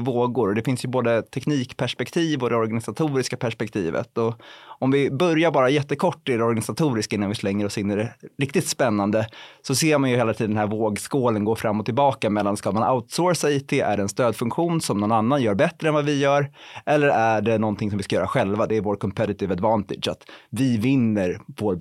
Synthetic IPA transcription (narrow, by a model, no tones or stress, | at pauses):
voːɡʊɾɔd̪ɛfɪnsjɵboːd̪ət̪ʰɛkniːkpʰæʂpɛkt̪ʰiːvɔd̪ɛɔɾɡanɪsat̪ʰuːɾɪskapʰæʂpɛk̚t̪ʰḭːvə̰t̪ɔɔmvɪbœɾjaɾbɑːɾajɛt̪ːəkʰɔʈːɪdɛɔɾɡanɪsat̪ʰuːɾɪskɪnːanvɪslɛŋːəɾɔsɪnːɛɾɛɾɪk̚t̪ɪt̪spɛnːand̪əsɔseːɾmanjɵheːlat̪ʰiːd̪nɦæɾvoːɡskoːlənɡoːfɾamːɔt̪ʰːɪlbɑːkamɛlːanskamana̰ʊt̪soːɾsɛt̪ʰɪʔæ̰ɖɛɛnst̪øːd̪fɵŋkɧuːnsɔmnɔnanːanjœːɾbɛt̪ːɾəɛnvavɪjœːɾʔɛlːəɾæɖɛnɔnt̪ʰɪŋsɔmvɪskajœːɾaɧɛlvad̪ɛːɾvoːɾkʰɔmpʰɛɾɪt̪ɪvad̪vɑnt̪ɪ̰dd͡ʒa̰t̪vɪvɪnːəɾvoːɾ